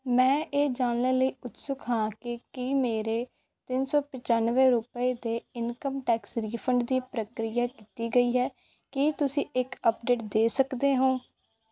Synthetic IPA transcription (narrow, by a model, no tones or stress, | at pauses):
mɛ̃ːʔeːd͡ʒaːɳlẽːləiːʊt̪sʊkɦãːkɪkiːmeːɾeː | t̪ɪnsɔːpɪt͡ʃaːnʋɛ̃ːɾʊpəeːd̪eːɪnkəmʈɛːksɾiːpʰəɳɖd̪iːpɾəkɾɪjaːkiːt̪iːɡəiːɦɛː | kiːt̪ʊsĩːɪkəpɖeːʈ̚d̪eːsəkd̪eːɦõː